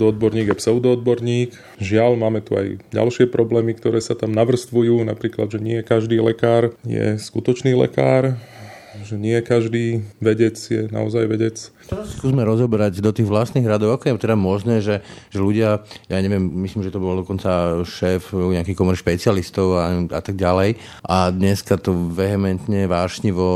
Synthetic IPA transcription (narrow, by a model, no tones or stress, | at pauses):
d̪ɔɔd̪bɔɾɲiːɡjɛpsɛʊd̪ɔɔd̪̚bɔɾɲiːk | ʒɪalmaːmɛt̪ua̰jɟa̰lʃɪɛpɾɔblɛːmikt̪ɔɾɛːsat̪amnaʋr̩st̪ʋujuːna̰pɾiːkla̰d̪ʒɛɲɪɛɛkaʒd̪iːlɛ̰kaːɾjɛ̰skut̪ɔt͡ʃniːlɛ̰ka̰ːɾ | ʒɛɲɪɛkaʒd̪iːʋɛɟɛt͡sjɛna̰ɔzajʋɛɟɛt͡st̪ɛɾasi̥skuːzmɛɾɔzɔbɛɾaɟd̪ɔt̪iːɣʋlast̪niːɣɾad̪ɔʊakɔjɛt̪ɛd̪amɔʒnɛːʒɛʒɛʎuɟɪajaɲɛʋɪɛmmislimʒɛt̪ɔbɔld̪ɔkɔnt͡saʃɛːfɲɛakikɔmɔɾiʃpɛt͡sɪalist̪ɔʊaa̰t̪aɡ̚ɟalɛj | ʔad̪ɲɛskat̪ɔʋɛɦɛmɛnt̪ɲɛʋaːʃɲiʋɔ